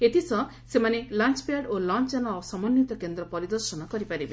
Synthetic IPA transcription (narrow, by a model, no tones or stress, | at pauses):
et̪ʰisɔ | semanelant͡ʃpaɖolɔnt͡ʃd͡ʒanaːsɔmɔnjut̪ɔkend̪ɾɔpɔɾid̪ɔɾsɔnɔkɔɾipaɾibe